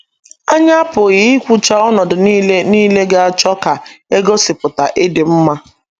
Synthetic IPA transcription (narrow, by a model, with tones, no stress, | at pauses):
a˦ɲa˦a˦pʊ˨ɣi˦kʷu˦t͡ʃa˦ɔ˦nɔ˨dʊ˨n˦niː˦le˦ɡe˦a˨t͡ʃɔ˦ka˨e˦ɡo˦sɪ˨pʊ˨ta˨ʔɪ˦dɪ˨m̩˦ma˦